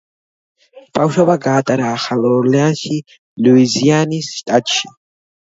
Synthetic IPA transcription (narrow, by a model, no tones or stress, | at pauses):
b̥awʃɔbaɡaːt̪ʼaɾaːχalɔɾlɛanʃi | luizianisʃt̪ʼat̪ʼʃi